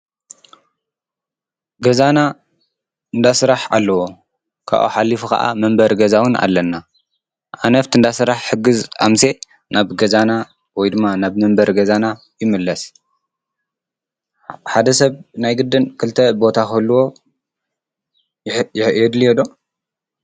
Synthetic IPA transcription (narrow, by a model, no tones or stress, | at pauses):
ɡɐzana | ɨnd̪asɨɾaħa̰lːɐwo | kʰa̰ʔo̰ħalːifuka̰ʔa̰mɐmbɐɾɡɐzawɨnʔa̰lːɐnːa | ʔanɐft̪ʰɨnd̪asɨɾaħħɨɡɨzʔamse̞ | naβɡɐzana | wɔjd̪ɨmːanaβmɐmbɐɾɡɐzana | jɪmɨlːɐs | ħad̪ɐsɐβnajɡɨd̪ːɨnkʰɨlt̪ʰɐbo̞t̪ʰakɐlːuwo̞ | jɪħʔjɛd̪lijɛd̪o